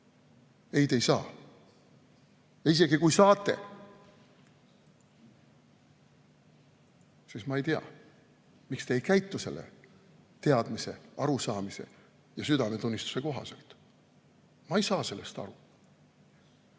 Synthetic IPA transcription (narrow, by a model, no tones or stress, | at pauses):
e̞jt̪e̞jsɑ̰ː | jɑis̬e̞ɡikujsɑːt̪ˑːe̞̰ | sismɑe̞jt̪iɑ̰ | mikst̪e̞ːjkæjt̪ːˑuse̞̰lːḛt̪eɑd̪̥mise̞̰ɑɾusɑːmise̞̰ | jɑsyd̪ɑmet̪unʲːist̪u̥se̞ko̞ɦɑ̰se̞̰lt̪ | mɑejsɑːse̞lːe̞st̪ɑ̰ɾu